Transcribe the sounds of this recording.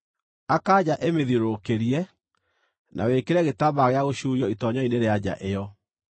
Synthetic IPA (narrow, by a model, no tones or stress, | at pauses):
akad͡ʑaʔemeðiɾokeɾiɛ | nʔa̰wekeɾɛɣetaβaɣeaɣoɕuːɾjɔitɔɲaineɾead͡ʑa̰ʔejɔ